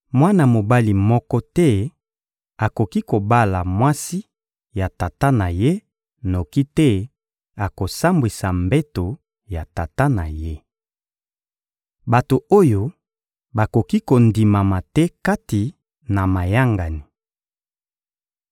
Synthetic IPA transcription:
mwa˦na˨mo˨ba˦li˨mɔ˦kɔ˦tɛ˦ | a˨ko˨ki˦ko˨ba˦la˨mwa˦si˦ | ja˨ta˨ta˦na˨je˦ | no˨ki˦tɛ˦ | a˨ko˨sa˦mbwi˨sa˨mbɛ˦to˨ | ja˨ta˨ta˦na̰˨je˦ | ba˨to˨o˦jo˦ | ba˨ko˨ki˦ko˨ndi˨ma˨ma˨tɛ˦ka˦ti˨ | na˨ma˨ja˦ŋɡa˨ni˨

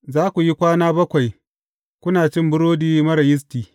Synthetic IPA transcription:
zaː˦kʷu˨ji˦kʷaː˦naː˦bɐ˦kʷa˨j | kʷʊ˦naː˨t͡ʃɪ˦mbʊ˦ɽoː˦diː˦mɐ˦ɾɐ˨jɪ˦s̬tiː˨

